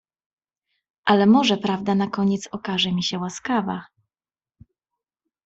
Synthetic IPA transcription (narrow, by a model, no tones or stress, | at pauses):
ʔalɛmɔʐɛpɾavd̪anakɔɲɛt̪sɔkaʐɛmʲiɕɛwaskava̰